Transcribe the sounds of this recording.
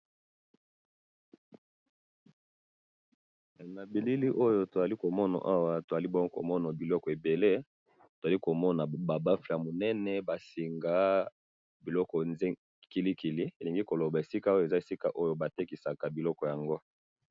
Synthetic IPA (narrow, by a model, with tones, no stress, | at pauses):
na˨bi˨li˦li˦ʔo˦jo˦to˨za˨li˦ko˨mɔ˦na̰˨ʔa˦wa˦to˨za˨li˦bɔ˦ŋɡo˦ko˨mɔ˦na˨bi˨lɔ˦kɔ˨e˨be˨le˦ | to˨za˨li˦ko˨mɔ˦na˨ba˨ba˦fi˨a˨mo˨nɛ˦nɛ˨ba˨si˨ŋɡa˦ | bi˨lɔ˦kɔ˨nz | ki˨li˦ki˨li˦e˨li˨ŋɡi˦ko˨lo˨ba˨e˨si˦ka˦o˦jo˦e˨za˦e˨si˦ka̰˨ʔo˦jo˨ba˨te˦ki˨sa˨ka˨bi˨lɔ˦kɔ˨ja˨ŋɡo˦